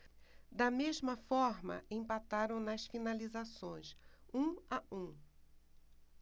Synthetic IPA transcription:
d̪ɐmezmɐfɔɾmɐ̰ẽpat̪aɾɐ̃w̃nɐsfinalizasõj̃sũɐũ

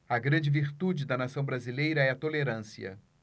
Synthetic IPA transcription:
ɐɡɾɐ̃nd͡ʒɪviɾt̪ud͡ʒɪd̪ɐnasɐ̃w̃bɾazilejɾɐɛɐt̪oleɾɐ̃siɐ̰

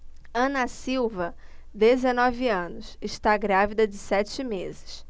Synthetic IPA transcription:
ɐ̃nɐsiwvɐd̪ezenɔviɐ̃nʊsɪʃt̪aɡɾavid̪ɐd͡ʒɪsɛt͡ʃɪmezɪ̥s

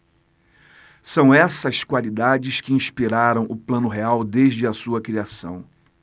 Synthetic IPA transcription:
sɐ̃w̃ɛsɐskwalid̪ad͡ʒɪskɪĩʃpiɾaɾɐ̃w̃ʔʊplɐ̃nʊɦeawd̪eʒd͡ʒɪɐsuɐkɾiasɐ̰̃w̃

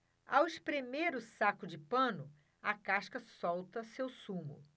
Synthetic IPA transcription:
awiʃpɾemeɾʊsakʊd͡ʒɪpɐ̃nʊ | ɐkaʃkɐsɔwt̪ɐsewsũmʊ̰

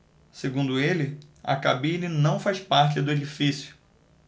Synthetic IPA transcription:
seɡũnd̪ʊelɪɐ̰kabĩninɐ̃w̃fajspaɾt͡ʃɪd̪ʊed͡ʒifisjʊ̥

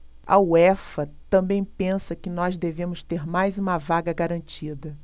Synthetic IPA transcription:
ɐ̰wɛfɐt̪ɐ̃mbẽj̃pẽsɐkɪnɔzd̪evẽmʊst̪eɾmajzũmɐvaɡɐɡaɾɐ̃nt͡ʃid̪ɐ

